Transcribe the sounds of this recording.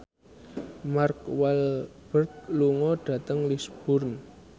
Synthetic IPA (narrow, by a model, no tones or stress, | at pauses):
markwɛlb̥ərk̚luŋɔɖ̥a̤t̪əŋlisb̥ʊrn